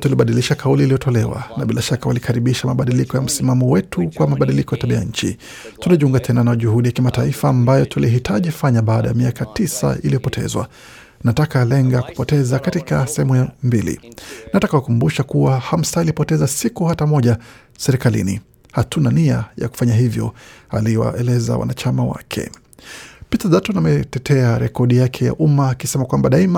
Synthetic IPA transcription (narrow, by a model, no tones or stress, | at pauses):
tuliɓaɗiliʃakauliːlijɔtʰɔlɛwa̰naɓilʔaʃakawalikʰaɾiɓiʃamaɓaɗilikɔjam̩simamɔwɛtukwamaɓaɗilikɔjataɓiaja̰ɲ̩t͡ʃḭ | tunaʄuŋɡatʰɛnanaʄuhuɗijakimataifaːmbajɔtʰuliɦitʰaʄifaɲaɓaːɗajamiakatisa̰ʔiliɔpɔtʰɛ̰zwa̰ | natakalɛŋɡaku̥pɔtɛzakatikasɛhɛmujambilḭnatakakukumbuʃakuwaham̩sailipɔtɛzasikuhatamɔʄa | sɛɾikalḭnḭ | hatʰunania̰ja̰ku̥faɲaɦivjɔ̰aliwa̰ʔɛlɛza̰wa̰nat͡ʃamawa̰kʰɛ̰ | pitazatɔnamɛtɛtɛaɾɛkɔɗijakʰɛja̰ʔumaːkisɛmakwambaɗaima